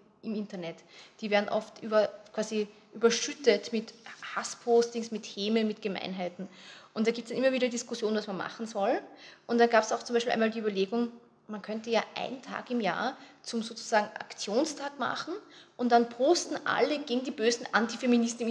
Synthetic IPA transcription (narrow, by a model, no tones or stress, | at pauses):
ʔɪmɪntɐnɛtd̥iːvɛɐn̩ʔɔftʔyːbɐkʰv̥aːzi | ʔyːbɐʃʏtətmɪthaspʰoːstɪŋsmɪtheːməmɪtɡ̥əma̰ɪnɦaɪtn̩ʔʊnt̚d̥aːɡ̥ip̚tsanʔimːɐviːɾɐdiskʊsjoːnənvasmanma̰χn̩zɔlʔʊntd̥anɡaːpsaʊxt͡sʊmbæɪʃpilʔa̰ɪnmaldiyːbɐleːɡʊŋ | mankʰœntəjaːʔa̰ɪnntʰa̰ːkɪmja̰ːɐt͡sʊmzoːt͡sʊ̥z̥aːɡŋ̩ʔa̰kt͡sjoːnstʰaːkma̰χn̩ʔʊnt̚d̥anpʰoːstn̩ʔa̰ləɡeːɡŋ̩diːbøːzn̩ʔa̰ntifeminɪstn̩ɪm